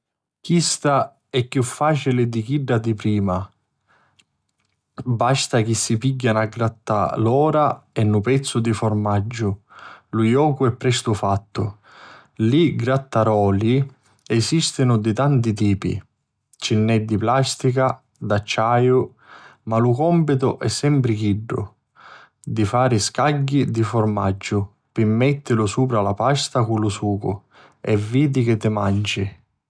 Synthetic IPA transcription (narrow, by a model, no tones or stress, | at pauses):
kist̪a | ɛkːjufːaːt͡ʃilɪd̪ik̟iɖːad̪ipɾiːma | bast̪ak̟isːipiɟːanaɡɾat̪ːa̰lɔːɾaɛnːʊpɛt̪sːʊd̪ifʊrmad͡ʒːʊlujɔːkʊɛpːɾɛst̪ʊfat̪ːʊ | liɡɾat̪ːaɾɔːli | ɛsist̪ɪnʊd̪ɪt̪ant̪it̪̬iːpḭ | t͡ʃinːɛd̪ːiplast̪ika | d̪at͡ʃːaːjʊ | malʊkɔmpɪt̪̬ʊʔɛsːɛmpɾɪkiɖːʊ̰ | d̪ifaːɾɪskaɟːid̪ifʊrma̰d͡ʒːʊ | pɪmːɛt̪ːɪlʊsuːpɾalapast̪akʊlʊsuːkʊ̰ | ɛvːiːd̪ik̟ɪt̪ːɪmand͡ʒɪ